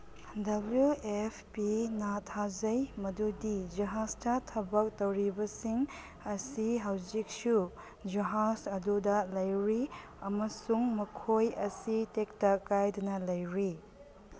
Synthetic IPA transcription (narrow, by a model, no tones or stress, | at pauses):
dɐbljuepʰpinatʰazɐjmɐdudid͡ʒɐɦastɐtʰɐbɐk̚tɐwɾibɐsiŋ | ɐsiɦɐwzik̚su | d͡ʒɐɦasɐdudɐlɐjɾi | ɐmɐsuŋmɐkʰojɐsitek̚tɐkajdɐnɐlɐjɾi